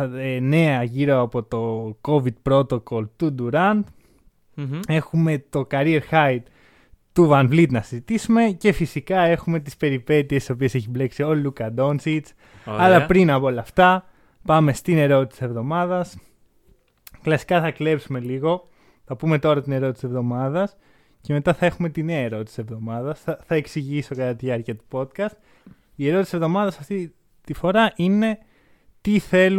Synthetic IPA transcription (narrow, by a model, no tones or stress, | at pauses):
ene̞ɐʝiɾoɐpo̞t̪o̞ko̞vid̪̚pɾo̞t̪o̞ko̞lt̪ud̪uɾɐnd̪ | e̞xume̞t̪o̞kɐɾieɾxɐjt̪ | t̪uvɐnvlit̪nɐsizit̪isume̞ce̞fisikɐe̞xume̞t̪ispe̞ɾipe̞t̪iest̪ːiso̞pie̞se̞çible̞ksio̞lukɐd̪o̞nsit͡s | ɐlɐpɾinɐpoolɐːft̪ɐ | pɐme̞st̪ine̞ɾo̞t̪it̪sse̞vðo̞mɐðɐs | klɐsi̥kɐθɐkle̞psume̞liɣo̞ | θɐpume̞t̪o̞ɾɐt̪ine̞ɾot̪ise̞vðo̞mɐðɐs | ce̞me̞t̪ɐθɐe̞xume̞t̪ine̞ɐeɾo̞t̪i̥sise̞vðo̞mɐðɐsθɐθɐe̞ksiʝiso̞kɐt̪ɐt̪iʝɐɾciɐt̪u̥po̞t̪kɐst̪ | ie̞ɾo̞t̪isisevðo̞mɐðɐsɐft̪i | t̪ifo̞ɾɐʔine̞ | t̪iθe̞lu